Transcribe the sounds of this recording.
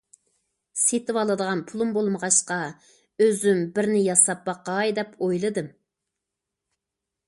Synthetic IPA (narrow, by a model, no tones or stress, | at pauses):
set̪ɪwɑlˠɨd̪əʁɑnpʰulˠumbolˠməʁɑʃqɑ | øzymbɪɾnɪjɑsɑp̚bɑqɑjd̪ɛpojlˠɨd̪ɨm